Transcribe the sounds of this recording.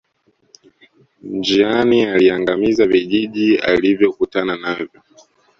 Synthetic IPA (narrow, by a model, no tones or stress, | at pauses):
nd͡ʒianialiaŋɡamizaviʄiʄia̰livjɔkutananavjɔ